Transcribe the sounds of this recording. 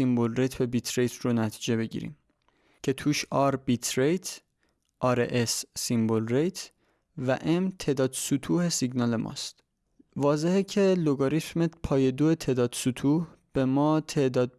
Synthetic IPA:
imbolrejt̪ʰbe̞bit̪ʰɾe̞jt̪ʰronæt̪ʰi̥ːd͡ʒe̞be̞ɟḭːɾḭm | cʰe̞t̪ʰuːʃɒɾbit̪ʰɾejt̪ʰ | ʔɒːɾeʔesːimbolrejt̪ʰ | væʔemt̪ʰe̞d̪ɒːd̪̥sut̪ʰuːhe̞siɟnɒːle̞mʔɒ̰ːst̪ | vɒːze̞hecʰe̞loɡoɾit̪mepʰɒːje̞d̪oet̪ʰe̞d̪ɒːd̪̥sut̪ʰuːhb̥e̞mɒːt̪ʰe̞ʔd̪ɒːd̪̚

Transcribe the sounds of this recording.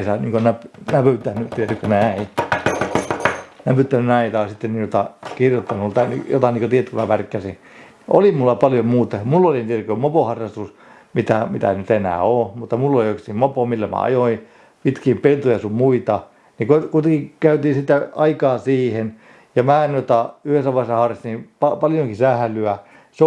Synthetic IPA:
sɑniːŋkonæpnæpyt̪ːænːyt̪iet̪ːykønæi | næpyt̪ːænynæit̪ɑisit̪ːennijot̪ɑkirjot̪ːɑnult̪ɑn̰jo̰t̪ɑniːkot̪iet̪ːykømæpærkːæsi | ʔolimulːɑpɑljomuːt̪ɑɑmulːolint̪ierkømopohɑrːɑst̪us | mit̪æmit̪æ̰nyt̪enæ̰ːoːmut̪ːɑmulːoliokstimmopomilːæmæ̰ɑ̰joi | pit̪kiːmpelt̪ojɑsummuit̪ɑ | nikokuit̪eŋkikæyt̪iːsit̪æɑikɑːsiːhen | jɑmæːnot̪ɑyhesæʋɑsːɑhɑrːɑst̪ipɑpɑljoŋkisæhlyæ | se

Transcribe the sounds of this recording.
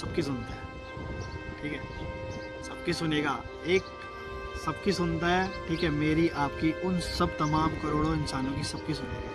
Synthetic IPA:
sɐb̚kis̬ʊnt̪aɦɛ | ʈʰiːkɦɛː | sɐb̚kisʊneːɡaː | eːk | sɐb̚kisʊnt̪aɦɛːʈʰiːkɦɛmeːɾiʔaːp̚kiʔʊnsɐb̚t̪ɐmaːmkɐɾoːɽoɪnsaːnõk̬isɐb̚kisʊneːɡa

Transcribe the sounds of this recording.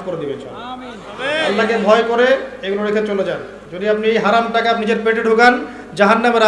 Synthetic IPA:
koɾed̪ibet͡ɕʰɔ̰n | alːakebʱɔekoɾeeɡuloɾekʰet͡ɕoled͡ʑan | d͡ʑod̪iap̚niejɦaɾamʈakapnid͡ʑeɾpeʈeɖʱuɡan | d͡ʑaɦanːameɾa

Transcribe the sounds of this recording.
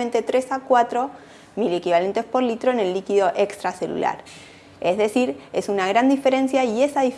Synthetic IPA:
ment̪e̞t̪ɾe̞sakwat̪ɾo̞ | mile̞kiβale̞nt̪e̞spo̞ɾlit̪ɾo̞ene̞lːikiðo̞ʔekst̪ɾase̞lṵla̰ɾ | ezðe̞siɾe̞sunaɣ̞ɾand̪ife̞ɾe̞nsjaie̞saðif

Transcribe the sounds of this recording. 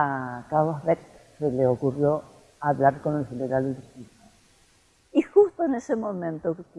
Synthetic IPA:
akawosβekseleokurjo | aβlaɾkonelθeleɣɾallit̪io | ixust̪oenesemõmẽnt̪o

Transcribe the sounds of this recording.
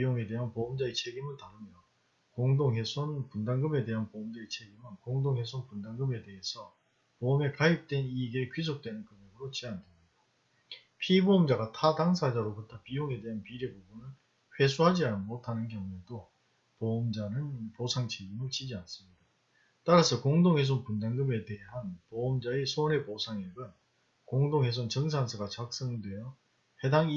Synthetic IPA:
ijoŋe̞de̞ɦanpoɯmd͡ʑaet͡ɕʰe̞ɡimɯɭtaɾɯmjʌ | koŋdoŋɦe̞sʰonpundaŋɡɯme̞de̞ɦanpoːmd͡ʑaet͡ɕʰe̞ɡimɯnkoŋdoŋɦhe̞sʰonpundaŋɡɯme̞de̞ɦesʰʌ | pome̞kaip̚t͈we̞niɡekɥis̬ʰok̚t͈we̞nɯnkɯmjʌɡɯɾot͡ɕiandɯmɲida | pʰiboːmd͡ʑaɡatʰadaŋsʰad͡ʑaɾokɯtʰapijoŋe̞de̞ɦanpiɾebobunɯn | ɸwe̞sʰuɦad͡ʑiamotʰanɯnkjʌŋue̞do | pomd͡ʑanɯnposʰaŋt͡ɕʰeɡinot͡ɕid͡ʑians͈ɯmɲid̥a | t͈aɾasʰʌkoŋdoŋɦe̞s̬ʰonpundaŋɡɯme̞te̞ɦanpoːmd͡ʑaesʰone̞posʰaŋiɡɯn | koŋdoŋɦe̞s̬ʰont͡ɕʌŋs̬ʰans̬ʰɯɡat͡ɕak̚s͈ʌŋidwe̞jʌ | he̞daŋi

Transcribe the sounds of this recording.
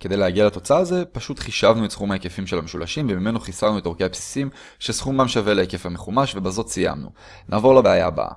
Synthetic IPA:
kede̞jleaɡialat̪o̞t͡saːze̞paʃutχiʃavnuetsχumhaekefimʃelhameʃulaʃimvemime̞noχisavnuetoke̞apsi̥sim | ʃesχumbamʃaveleekefhame̞χumaʃve̞bazo̞tsija̰mnṵ | nʔaːvo̞ʁlabeaja̰ba̰

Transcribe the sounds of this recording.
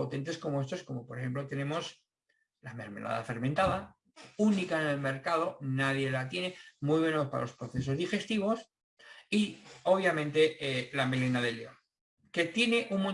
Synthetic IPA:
o̞t̪e̞nt̪e̞sko̞mo̞e̞st̪osko̞mo̞poɾexe̞mplo̞t̪e̞nẽ̞mo̞s | lame̞ɾme̞̰lʔa̰ða̰fe̞ɾmẽnt̪aða | unikaene̞lme̞ɾkað̞o̞naðje̞lat̪je̞ne̞mujβe̞nopa̰a̰lo̞spɾo̞θe̞s̬o̞zðixe̞st̪iβ̞o̞s | io̞β̞jamẽ̞nt̪e̞lame̞lenaðe̞leo̰ŋ | ke̞t̪je̞ne̞ʔuŋmõ

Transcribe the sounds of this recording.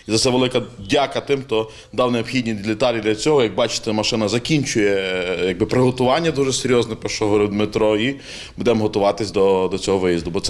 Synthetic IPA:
izɐsɛʋelˠɪkɐdʲɑkɐt̪ɪmxt̪ɔ | d̪ɑwneɔbpxʲidʲnʲilʲɪt̪ɑlʲid̪lʲɐt͡sʲɔɦɔjɐɡ̚bɑt͡ʃɪ̥t̪ɛmɐʃɪnɐzɐkʲinʲt͡ʃʊjɛjɐɡ̚bɪpɾɪɦɔt̪ʊʋɑnʲːɐd̪uʒɛseɾʲjɔznɛpɛʃɔɦɔɾɪd̪met̪ɾɔi | bud̪ɛmɦɔt̪ʊʋɑt̪ɪsʲd̪ɔd̪ɔt͡sʲɔɦɔʋɪjizd̪ʊbɔt̪sɛ

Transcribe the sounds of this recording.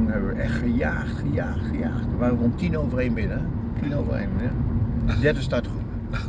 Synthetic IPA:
nɦɛbəʋəʔɛχəja̰ːχtχəjaːtχəja̰ːχtəʋaːrəʋɔntinowvərejnbɪnə | tinowvə̰rḛjnnədɛɹdəstatəχup

